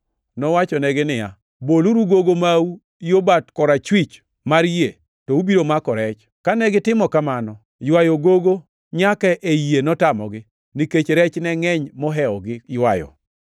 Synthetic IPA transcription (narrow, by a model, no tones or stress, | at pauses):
nɔwat͡ʃɔnɛɡɪnɪja̰ | boluɾuɡoɡomau | jobatkɔɾat͡ʃwit͡ʃ | maɾje | tɔubiɾomakɔɾɛt͡ʃ | kanɛɡɪtɪmɔkamanɔ | jwajoɡoɡo | ɲakaʔejenɔtamɔɡɪ | niket͡ʃɾɛt͡ʃnɛŋɛɲmɔɦɛɔɡɪjwa̰jɔ̰